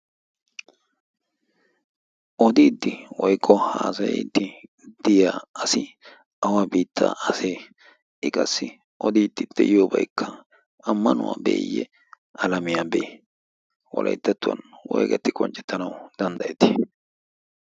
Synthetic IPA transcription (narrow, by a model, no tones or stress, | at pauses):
ʔɔd̪iːd̪ːɪwɔjkʼːɔhaːsɐjɛ̰d̪ːɪ | d̪̥ɪjaːɐsɪ | ʔɐwaːbiːt̪ʰːa̰ːʔɐseː | ʔɪkʼɐsːɪ | ʔɔd̪iːd̪ːɪd̪̥ːɛjoːbɐjkʰːɐ | ɐmːɐnʊwa̰ːbe̞̰ːjːɛ̰ | ɐlɐmɪjabe | wɔ̰lʔɐ̰jt̪ːɐt̪ːʊwɐ̰nwɔjɡɐt̪ːɪkʼɔnt͡ʃʼːɛt̪ːɐnɐwd̪ɐnd̪ɐjɛt̪ɪ̥